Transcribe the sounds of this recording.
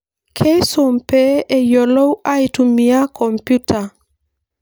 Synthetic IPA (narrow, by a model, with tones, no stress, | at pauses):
kʰe˦jso˨mpɛ˦e˦jɔ˨lɔ˦wa˦itu˨mi˨a˦kʰɔ˨mpju˦ta˨